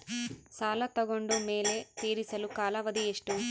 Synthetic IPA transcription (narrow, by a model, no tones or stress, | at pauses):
saːlɐt̪ɐɡoɳɖume̞ːle̞t̪eːɾisɐlukaːlɐʋɐd̪ieʂʈu